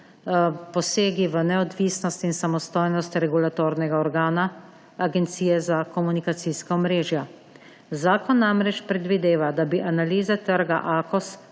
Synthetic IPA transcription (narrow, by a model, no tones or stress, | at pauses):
pɔseːɡiʋənɛɔd̪ʋiːsnɔst̪insamɔst̪oːjnɔst̪ɾɛɡulat̪oːɾnɛɡaɔɾɡaːnaː | ɡɛnt̪siːjɛzakɔmunikat̪siskaɔmɾeːʒja | zaːkɔnːamɾɛt͡ʃpɾɛd̪ʋid̪eːʋad̪abiʔanaliːzɛt̪əɾɡa̰ʔaːkɔs